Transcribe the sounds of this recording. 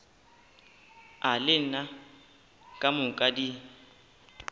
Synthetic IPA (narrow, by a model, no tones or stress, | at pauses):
alɪn̩na | kʼamʊkʼadi